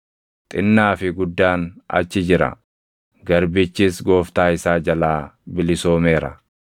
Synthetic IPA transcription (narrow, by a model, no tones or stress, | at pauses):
t̪ʼɪnːaːfɪɡʊd̪ːaːnɐ̰t͡ʃːɪd͡ʒɪɾɐ̰ | ɡɐɾbɪt͡ʃːɪsɡo̞ːft̪aːɪsaːd͡ʒɐlaːbɪlɪso̞ːme̞ːɾɐ̰